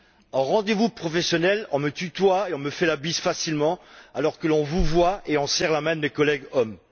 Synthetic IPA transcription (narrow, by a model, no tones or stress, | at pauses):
ɑ̃ʁɑ̃d̪evupχɔfɛsjɔnɛlɔ̰̃mət̪yt̪waeɔ̃məfɛlabisfasilmɑ̃alɔʁkəlɔ̃vuvwaeɔ̃sɛʁlamɛ̃d̪əmekɔlɛɡɔm